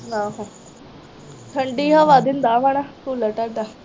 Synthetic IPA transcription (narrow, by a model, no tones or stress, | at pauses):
naɦã | ʈ̪ʰəɳɖiɦaʋad̪ʱiːnd̪aʋaɽ̃akuːləʈaɽd̪a